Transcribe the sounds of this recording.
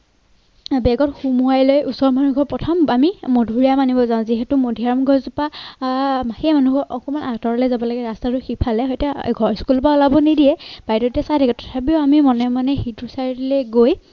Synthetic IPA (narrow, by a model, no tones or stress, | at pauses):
bɛɡɔtxumuajlojusɔɹmanuɡʱɔɹpɹɔtʰɔmamimodʱuɹijamanibɔzaʊ̃ziɦɛtʊmodʱiaɹɔmɡʱɔɹzupa | maxiɛmanuɡʱɔɹʔɔkɔmanaɡtɔɹɔlɛzabɔlɔɡɛɹastaɹʊxipʰalɛɦɔjtɛɡʱɔɹskulpaʊlabɔnidijɛb̥ajtɔtɛsajdʰʱɛɡɔtʰɔ̥tʰapiʊamimɔnɛmanɛxituɹsaɹiilɛɡoj